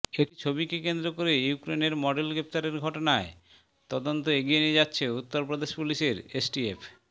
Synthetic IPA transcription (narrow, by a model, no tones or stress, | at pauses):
ekit͡ɕʰobikekend̪ɾokoɾejukɾeneɾmɔɖelɡɾep̚t̪aɾeɾɡʱɔʈonae | t̪ɔd̪ont̪oeɡijenied͡ʑatːɕʰeut̪ːoɾpɾod̪eʃpuliʃeɾesʈief